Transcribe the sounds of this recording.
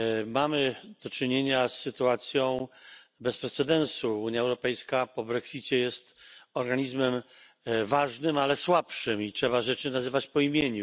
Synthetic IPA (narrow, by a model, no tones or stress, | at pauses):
mamɘd̪̥ɔt͡ʂɘɲeɲasːɘt̪uat̪sʲjɔ̃w̃bɛspɾɛt̪sɛd̪ɛnsuuɲjaɛwɾɔpɛjskapɔbɾɛksʲit͡ɕɛjɛst̪ɔɾɡaɲizmɛm | vaʐnɘmalɛswapʂɘmitʂɛbaʐɛt͡ʂɘnazɘvat͡ɕpɔimʲjeɲu